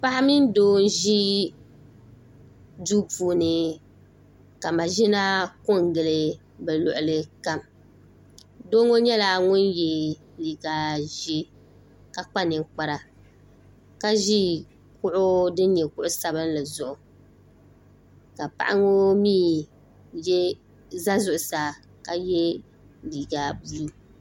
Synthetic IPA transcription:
pa˦ʔa˦mi˦n˦doː˦n̩˦ʒi˦ | du˦puː˦nɨ˨ | ka˨ma˨ʒi˦na˦kʊ˦˨ŋɡɨ˨lɨ˨ | bɛ˨lʊ˨ʔʊ˨lɨ˦ka˦m | doː˦ŋo˦ɲɛ˦la˦ŋʊ˦njɛ˨ | li˨ɡaː˨ʒi˦ | ka˨k͡pa˦nɨ˨ŋk͡pa˦ɾa˨ | ka˦ʒi˦ | kʊ˦ʔʊ˦dɨ˦n˦ɲɛ˨kʊ˦ʔʊ˦sa˦bɨ˦n˦lɨ˨zʊ˨ʔʊ˨ | ka˨pa̰˨ʔa˦ŋo˦miː˦ | jɛ˦ | za˦zʊ˨ʔʊ˨saː˨ | ka˨jɛ˦ | liː˨ɡaː˨bu˦

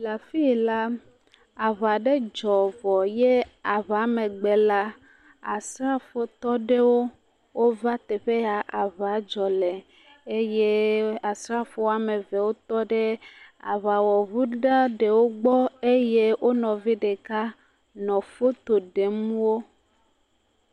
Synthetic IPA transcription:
la˨fi˦˨la˦ | a˨βa˨ɖe˦d͡ʒɔ˨vɔ˨je˦a˨βa˨˦me˨ɡ͡be˨la˦ | a˨sɾa˦fo˨t̪ɔ˦ɖe˦wo˦ | wo˦va˦t̪e˨ɸe˦ja˨ʔa˨βa˨˦d͡ʒɔ˨lɛ˨ | e˦je˦a˨sɾa˦fo˦a˨me˨vɛ˨wo˦t̪ɔ˦ɖe˦a̰˨βa˨wɔ˨βu˦ɖa˦ɖe˨wo˦ɡ͡bɔ˦e˦je˦wʔo˦nɔ̃˨vi˦ɖe˨ka˦ | nɔ̃˨fo˦t̪o˨ɖe˨mũ˦wo˦

